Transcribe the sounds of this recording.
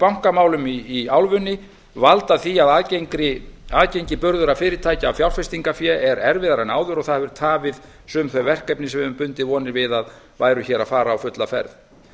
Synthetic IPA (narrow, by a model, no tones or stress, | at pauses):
pawŋ̥kamaːwlʏmiːawlvʏnːɪ | valt̪aθiaðaːðcejŋkɾɪaːðcejɲcɪpʏɾðʏɾafɪːɾɪt̪ʰaːjcaːwfjawl̥fɛst̪iŋkafjɛʔɛɾɛɾvɪðaɾanaːwðʏɾɔɣθaðvɪɾ̥t̪ʰaːvɪð | sʏːmθœjvɛr̥kɛjpnɪsɛʏmpʏnt̪ɪvɔːnɪɾvɪðað | vaːjɾʏçɛːɾaðfaːɾaːwfʏt̪lafɛ̰ɾð